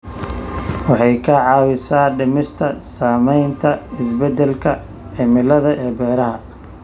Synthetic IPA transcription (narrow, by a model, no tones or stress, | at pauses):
wɑħɑjkʰɐʕɑːwɪsaːɖɪmɪst̪ʰɐsaːmɛjnt̪ʰɐɪsbɛd̪ɛlkʰɐ | ɛmɪlɐðɐʔɛːbɛːɾɐɦɐ